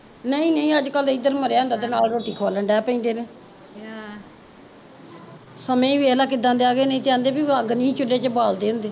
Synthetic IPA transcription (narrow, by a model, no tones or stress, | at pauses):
nəĩːnəĩːəd͡ʒkəlɪd̪əɾməɾejaːɦʊ̃nd̪aːt̪eːnaːlɾoːʈiːkʰoaːləɳɖɛːpəĩːnd̪eːneː | səmẽːiːbieːlaːk̬ɪd̪ãnd̪eːaːɡeːnə̃ĩːt̪eːãːnd̪eːbiːəɡnĩːt͡ʃʊlːeːt͡ʃəbaːld̪eːɦʊ̃nd̪eː